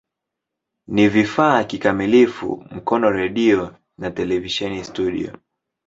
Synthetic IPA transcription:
nivifaːkikamilifṵm̩kɔnɔɾɛɗiɔ | natɛlɛviʃɛnistuɗḭɔ̰

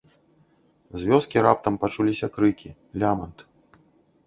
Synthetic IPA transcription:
zʲvʲɔskʲiɾap̚t̪ɐmpat͡ʂulʲisʲɐkɾɨkʲi | lʲamɐnt̪

